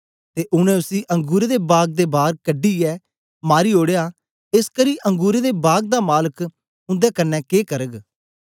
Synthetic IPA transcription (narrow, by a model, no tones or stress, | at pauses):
t̪eːʔʊñɛ̃ːʊsiːʔə̃ŋɡuːɾeːd̪eːbaːɡ̚d̪eːbaːɾkəɖiːɛː | maːɾiːoːɽejaː | ɪskəɾiːʔə̃ŋɡuːɾeːd̪eːbaːɡ̚d̪aːmaːlək | ʊ̃nd̪ɛːkənːɛːkeːkəɾəɡ